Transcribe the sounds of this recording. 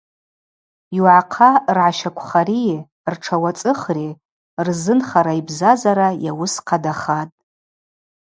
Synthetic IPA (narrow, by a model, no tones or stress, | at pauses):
wʕaqʰarʕaʃakʷʰχaɾi | rʈ͡ʂʰawat͡sʼɨχri | rzɨnχaɾaibzazaɾajawʊsqʰadaχatʼ